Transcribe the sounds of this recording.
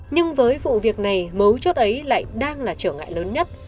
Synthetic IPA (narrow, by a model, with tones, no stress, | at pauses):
ɲɨ˧ŋvəː˨˦jvṵ˧˨vi˨˩ək̚na˨˩jmə˨˦wt͡ɕo˦˥t̚ʔə˨˦jla̰ː˧˨jɗaː˧ŋlaː˨˩t͡ɕəː˧˩ŋa̰ː˧˨jləː˨˦nɲə˦˥t̚